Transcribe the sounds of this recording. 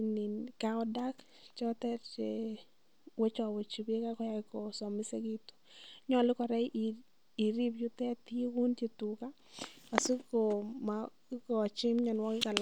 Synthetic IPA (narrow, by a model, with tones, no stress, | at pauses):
ni˨nka˦ɔ˦da˦k | t͡ʃɔ˦t̪ɛ˦ɾt͡ʃe | we˦t͡ʃɔ˦˨we˨t͡ʃi˨be˦ka˦kɔ˦ja˦kɔ˨sɔ˨mɪ˦se˦ɡi˦t̪u̥˦ɲɔ˦˨lɪ˦kɔ˨ɾa˦ʔ | i˨ɾi˦bjʊ˦t̪ɛ˦t̪i˦e˦wu˦nt͡ʃe˨tu˨ka˦ | a˨si˦ko˨ma | kɔ˨t͡ʃɪ˦mɲɔ˨nwɔ˦kɪ˦ka˨l